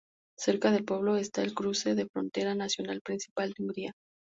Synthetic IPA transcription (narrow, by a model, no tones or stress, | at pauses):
se̞ɾkaðe̞lpwe̞β̞lo̞est̪ae̞lkɾuse̞ðe̞fɾo̞̰nt̪e̞ɾanasjo̞nalpɾinsi̥pald̪euŋɡɾia